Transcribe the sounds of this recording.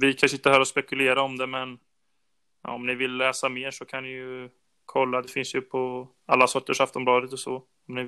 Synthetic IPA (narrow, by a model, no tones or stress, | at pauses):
vɪkʰanʂ̬ɪnt̪ːəhœːɾaɔspɛkɵleːɾaɔmd̪ɛmɛn | ɔ̰mnɪvɪlːɛːsameːʂɔkʰanːɪjɵ | kʰɔlːad̪ɛfɪnsjɵpʰɔ | alːasɔʈːəʂaft̪ɔmblɑːd̪ət̪ɔsɔ | ɔmnɪ